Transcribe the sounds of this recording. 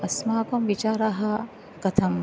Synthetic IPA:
ɐsmaːkɐmʋit͡ʃaːɾɐɦɐ | kɐt̪ʰɐm

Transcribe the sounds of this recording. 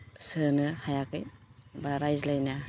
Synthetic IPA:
sɯnɯhajakɯjbaɾajzlajna

